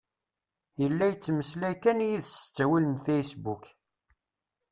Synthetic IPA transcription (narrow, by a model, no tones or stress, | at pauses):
jəlːæjət͡sːməslækænjiðsə̥t͡sːæwilənfejsbuk